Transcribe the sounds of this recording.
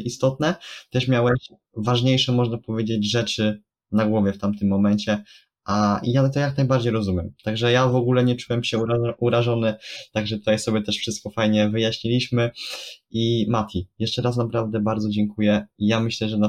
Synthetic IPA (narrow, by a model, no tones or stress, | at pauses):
ʔist̪ɔt̪̚nɛt̪ɛʂmʲjawɛ | vaʐɲejʂɔmɔʐnapɔvʲjed͡ʑed͡ʑʐɛt͡ʂɘ | naɡwɔvʲjɛft̪amt̪ɘmːɔmɛɲt͡ɕɛ | ʔaijat̪ɔjaknajbaɾd͡ʑejɾɔzumʲjɛmt̪aɡʐɛjavɔɡulɛɲɛt͡ʂuwɛmɕɛuɾaʐɔnɘt̪aɡʐɛt̪ut̪ajsɔbʲjɛt̪ɛʂfʂɘst̪kɔfajɲɛvɘjaɕɲilʲiɕmɘ | imat̪ʰʲijɛʂt͡ʂɛɾasnapɾavd̪ɛbaɾd̪ɔd͡ʑɛŋkujɛijamɘɕlɛʐɛna